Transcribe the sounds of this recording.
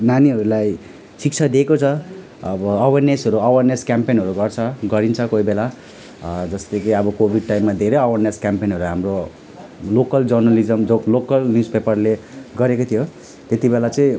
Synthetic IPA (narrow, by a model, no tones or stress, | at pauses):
naniʌɾulaj | sik̚t͡sʰad̪ekot͡sʰʌ | ʌbʌːwʌrnesɦʌɾuʌwʌrneskampenɦʌɾuɡʌrt͡sʰʌɡʌɾint͡sʰʌkoibela | d͡zʌst̪ʌkiʌbʌkobʱiɖ̚ʈajmːad̪ʱeɾejʌwʌrneskampenɦʌɾuɦamro | lokʌld͡zʌrnʌlid͡zʌmd͡zolokʌlnjuspepʌrleɡʌɾekot̪ʰijo | t̪et̪ibelat͡sʌĩ